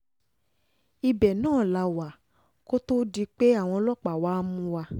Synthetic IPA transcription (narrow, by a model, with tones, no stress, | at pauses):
i˧bɛ˨nãː˦˨la˨˧wa˨ | ko˦to˦di˧k͡pe˦a˦˨w̃ɔ̃˧lɔ˦˨k͡pa˨waː˦mũ˧˦wa˧